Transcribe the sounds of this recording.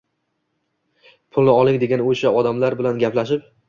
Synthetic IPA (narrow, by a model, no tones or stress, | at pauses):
pʰʊlˠnɪɒlˠɪŋd̪e̞ɡʲanoʃaɒd̪amlaɾbɪlanɡʲaplaʃɪp̚